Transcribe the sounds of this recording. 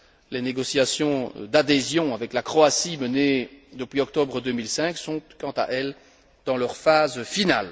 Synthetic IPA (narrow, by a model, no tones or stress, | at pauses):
leneɡɔsjasjɔ̃d̪ad̪ezjɔ̃avɛklakχɔasiməned̪əpɥiɔk̚t̪ɔbʁəd̪ømilsɛ̃ksɔ̃kɑ̃t̪a̰ʔɛl | d̪̥ɑ̃lœʁfazfinal